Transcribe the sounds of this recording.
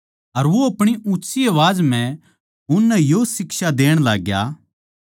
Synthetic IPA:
ɐɾʋoɐpɽ̃iʔutːsiɐʋaːd͡ʒmɛ̃ | ʊnːɛjosɪkʃad̪eːɽ̃laːɡja̰

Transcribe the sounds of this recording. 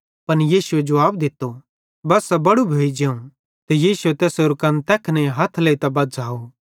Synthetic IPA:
pɐnjiːsʊed͡ʒɐʋaːbd̪ɪt̪ːo | bɐsːɐbɐɽubʱeːid͡ʒeːũ | t̪ɛjiːsʊet̪ɛːsoɾkɐ̃nt̪ɛːkʰnɛ̃ɦɐt̪ʰleit̪ɐbɐd̪d͡ʒʱaːo

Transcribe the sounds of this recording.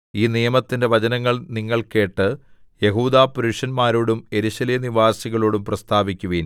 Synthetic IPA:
iːnijɐmɐt̪ːinde̞ʋɐt͡ɕɐnɐŋːɐɭniŋːɐɭke̞ːʈːɨjeɦuːd̪aːpuɾuʂɐnmaːɾoːɽume̞ɾuɕɐleɐniʋaːsiɣɐɭoːɽumprɐst̪ʰaːbikʲːuʋiːn

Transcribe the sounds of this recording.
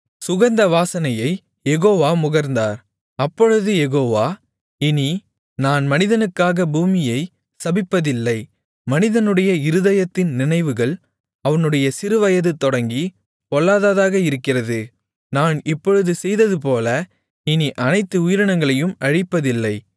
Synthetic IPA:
sʊɣɐnd̪ɐʋaːsɐnɐjɐɪ | jɛɣoːʋaːmʊɣɐɾnd̪aːɾ | ɐpːɔɻɯðɯjɛɣoːʋaː | ɪni | naːnmɐnɪðɐnɯkːaːɣɐbuːmɪjɐɪ | sɐbɪpːɐðɪlːɐɪ | mɐnɪðɐnɯɽɐjɐɪɾɯðɐjɐt̪ːɪnnɪnɐɪʋɯɣɐɭ | ɐʋɐnɯɽɐjɐsɪɾɯʋɐjɐðɯt̪ɔɽɐŋɡi | pɔɭːaːðaːðaːɣɐɪɾɯkːɪrɐðɯ | naːnɪpːɔɻɯðɯsɛjðɐðɯp̬oːlɐ | ɪniʔɐnɐɪt̪ːɯʊjɪɾɐɳɐŋɡɐɭɐjɯmʔɐɻɪpːɐðɪlːɐɪ

